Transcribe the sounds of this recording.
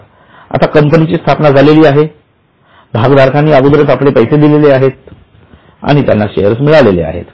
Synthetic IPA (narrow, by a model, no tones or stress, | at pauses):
a̰t̪akəmpənit͡ɕiːst̪ʰapnad͡zaleliːaɦe | bʱaɡd̪ʱaɾkʰanːiːaɡud̪ɾət̪aplepəjsed̪ileleaɦet̪̚ | a̰ɽ̃it̪ja̰nːaɕḛɦəɾəsmiɭaʋlelḛa̰ɦḛt̪